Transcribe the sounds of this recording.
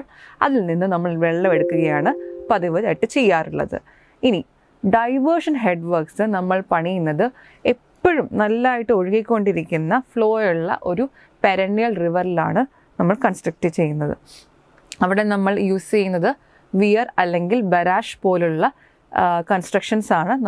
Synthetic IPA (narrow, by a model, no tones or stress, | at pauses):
ɭɐ̰ðilninːɨnɐmːɐɭʋeɭːɐeɽukːuɣɐjaːɳɨpɐðiʋɐðaːjiʈːɨt͡ɕe̞jːaːruɭːɐ̰ðɨ̰ | ini | ɖɐjʋɐrʂɐnɦe̞ɖʋɐrksɨnɐmːɐɭpɐɳijunːɐðɨ | eppːɐɻumnɐlːaːjiʈːɨo̞ɻuɣikʲːo̞ɳɖiɾikʲːunːɐfɭo̞ːjuɭːɐ̰ʔo̞ɾu | peɾɐɳːijɐlriʋɐrila̰ːɳɨ | nɐmːɐɭkɐnsʈrɐk̚ʈːɨt͡ɕe̞jːunːɐðɨ̰ | ɐʋiɽe̞nɐmːɐɭjuːst͡ɕe̞junːɐðɨ | ʋijɐrɐlːe̞ŋɡilbɐɾaːʂpo̞ːluɭːɐ | kɐnsʈrɐkʂɐnsaːɳɨn